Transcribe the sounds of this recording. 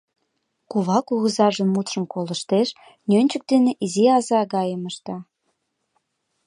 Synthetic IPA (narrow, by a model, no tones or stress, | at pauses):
kuβɑkuɣəzɑʒə̆mːut̪ʃə̆mkolə̆ʃt̪eʃ | nønʲt͡ɕək̚d̪eneʔiziɑzɑɣɑjəməʃt̪ɑ